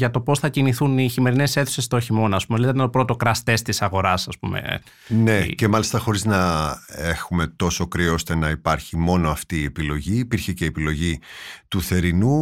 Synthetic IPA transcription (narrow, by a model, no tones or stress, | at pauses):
ʝɐt̪o̞po̞sθɐciniθuniçime̞ɾine̞seθusest̪ooçimo̞nɐspumeliet̪t̪net̪opɾot̪o̞kɾɐst̪e̞st̪isɐɣo̞ɾɐsɐspume̞̰ | ne̞ce̞mɐlist̪ɐxo̞ɾiznɐe̞xume̞t̪o̞so̞kɾio̞st̪e̞nɐipɐɾçimo̞no̞ɐft̪iːe̞pilo̞ʝiːpiɾçece̞ːpilo̞ʝit̪uθe̞ɾinu